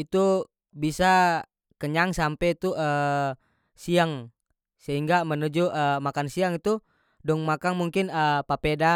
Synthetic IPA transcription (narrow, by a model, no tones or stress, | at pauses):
it̪u | bisa | kəɲaŋsampɛt̪uʔəː | siaŋ | səɦiŋɡamənud͡ʒuʔəmakansiaŋit̪u | dɔŋmakaŋmuŋkɪnəpapeda